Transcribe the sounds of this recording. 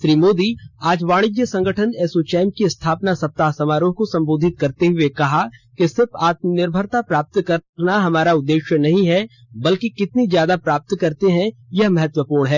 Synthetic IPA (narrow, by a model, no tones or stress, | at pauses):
ʃɾiːmoːd̪iaːd͡ʒʋaːɽ̃ɪd͡ʒjəsɐ̃ŋɡʱəʈʰənɛːsot͡ʃɛːmkist̪ʰaːpnasɐp̚t̪aːsɐmaːɾõkosɐ̃mboːd̪ʱɪt̪̚kɐɾt̪eɦʊekɐɦakesɪɾfaːt̪̚mnɪɾbʱəɾt̪apɾaːp̚t̪kɐɾnaɦɐmaːɾaʊd̪ːeːʃjənɐɦĩɦɛ | bɐlkikɪt̪nizjaːd̪apɾaːp̚t̪kɐɾt̪eɦɛ̃jɐɦmɐɦət̪wəpuːɾɳɦɛː